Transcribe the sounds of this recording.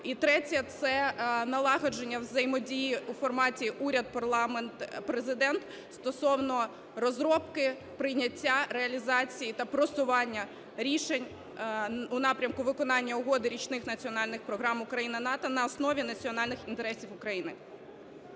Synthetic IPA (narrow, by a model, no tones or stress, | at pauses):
it̪ɾɛtʲɐt̪sɛnɐlˠɑɦɐd͡ʒenʲːɐwzɐjmɔdʲijiufɔrmɑtʲiʔuɾʲɐd̪̚pɐrlˠɑment̪pɾezɪd̪ɛnt̪ | st̪ɔsɔwnɔ | ɾɔzɾɔpkɪ | pɾɪjnʲɐtʲːaɾeɐlʲizɑt͡sʲijit̪ɐpɾɔsʊʋɑnʲːɐ | ɾʲiʃenʲ | unɑpɾʲɐmkʊʋɪkɔnɑnʲːɐʊɦɔd̪ɪɾʲit͡ʃnɪxnɐt͡sʲiɔnɑlʲnɪxpɾɔɦɾɑmʊkɾɐjinɪnɑt̪ɔnɐːsnɔʋʲinɐt͡sʲiɔnɑlʲnɪxint̪eɾɛsʲiwʊkɾɐjinɪ